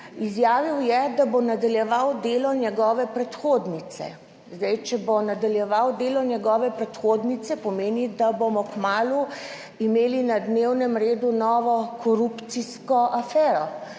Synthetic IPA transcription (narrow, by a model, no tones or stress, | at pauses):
izjaːʋiwjɛd̪abonad̪aljɛʋawd̪eːlɔnjɛɡɔːʋɛpɾɛt̪xod̪nit̪sɛ̰ | zd̪ɛjt͡ʃɛbonad̪aljɛʋawd̪eːlɔnjɛɡɔːʋɛpɾɛt̪xoːd̪nit̪sɛpɔmeːnid̪abomɔkmaːlu | imeːlinad̪newnɛmɾeːd̪unɔːʋɔkɔɾupt̪siskɔʔafɛːɾɔ